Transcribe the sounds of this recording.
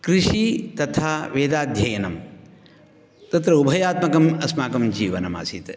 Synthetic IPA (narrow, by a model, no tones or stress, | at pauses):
kɾiʂit̪ɐt̪ʰaːʋeːd̪aːd̪ʱjɐjɐnɐm | t̪ɐt̪ɾɐubʱɐjaːt̪mɐkɐmɐsmaːkɐmd͡ʒiːʋɐnɐma̰ːsit̪